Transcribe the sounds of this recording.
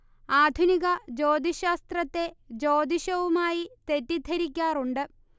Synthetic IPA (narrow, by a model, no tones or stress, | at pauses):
aːd̪ʱuniɣɐd͡ʑo̞ːd̪ʱiɕaːst̪rɐt̪ːe̞d͡ʑo̞ːd̪ʱiɕɐʋumaːjit̪etːid̪ʱɐɾikʲːaːruɳɖɨ